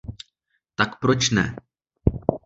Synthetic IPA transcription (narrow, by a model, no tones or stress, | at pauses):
t̪akpɾot͡ʃnɛ̰